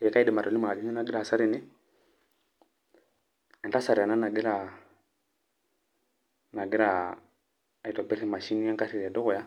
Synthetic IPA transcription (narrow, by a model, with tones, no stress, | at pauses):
ɛ˨ka˦i˦dɛ˨ma˨ɾɔ˨li˦ma˨a˨d͡ʒi˦ɲɛ˦na˦ɡɪ˦ɾa˨sa˦ɾɪ˨nɪ˦ | ɛ˨nta˦sa˨ɾa˨na˦na˨ɡɪ˦ɾa˨ | na˨ɡɪ˦ɾa˨ | a˨i˨tɔ˨pɛ˦ɾɛ˦ma˨ʃi˦ni˦a˦ŋka˦ɾi˨ɾi˨a˨dʊ˦ɣʊ˨ja˦